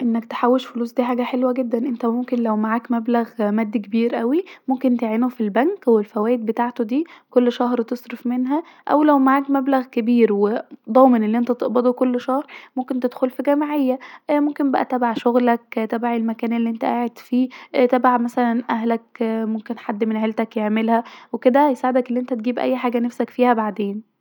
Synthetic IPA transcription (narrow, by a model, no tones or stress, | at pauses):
ʔenːæk̚t̪e̥ħawːeʃfoluːsˤd̪iːħaːɡæħelwæɡed̪ːænʔent̪æmomkenlæwmaʕaːkmæblæɣmæːd̪ːikebiːɾʔæwimomkent̪eʕeːnufilbæŋkwelfæwæːʔed̪̚bet̪aːʕt̪od̪iːkolːʃɑɦɾt̪esˤɾefmenɦæ | ʔæ̰wlæwmaʕaːkmæblæɣkebiːɾwed̪ˤɑːmenelːiʔent̪æt̪eʔbɑd̪ˤokolːʃɑhɾˤmomkent̪ed̪xolfiɡæmaʕejːæmomkenbæʔæ̰t̪æbaʕʃoɣlæk̚t̪æbaʕelmækæːnelːiʔent̪æʔaːʕed̪fiːt̪æbaʕmæsælænʔæɦlækmomkenħad̪ːmenʔhælt̪ækjeʕmelhæweked̪æjesaʕed̪ækelːiʔent̪æt̪̚ɡiːbʔæ̰jːħaːɡænæfsækfiːhæbaʕd̪eːn